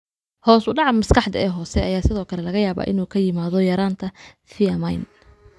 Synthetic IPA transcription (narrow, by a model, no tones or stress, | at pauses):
hɔːsʊɖɑʕɑmɐskɑħd̪ɐɛːɦɔːsɛɐjaːsɪðɔːkʰɐlɛlɐɣɐjaːβa̰ːʔɪnuːkʰɐjɪmaːðɔjɐɾaːnt̪ʰɐ | fiɐmɐjn